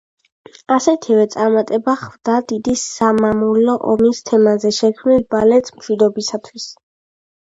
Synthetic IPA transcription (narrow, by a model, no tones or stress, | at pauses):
asɛt̪ʰivɛt̪sʼaɾmat̪ʼɛbaχvd̪ad̪id̪isːamamulɔʔɔmist̪ʰɛmazɛʃɛkʰmnilbalɛt̪smʃwid̪ɔbisat̪ʰwis